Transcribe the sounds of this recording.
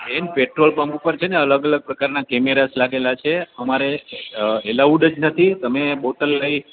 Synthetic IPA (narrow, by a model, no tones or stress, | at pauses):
enpeʈɾolpəmupəɾt͡ʃʰeneələɡələɡ̚pɾəkaɾnakɛmeɾaslaɡelat͡ʃʰeəmaɾe | elauɖəd͡ʒnət̪ʰit̪əmeboʈəlːəi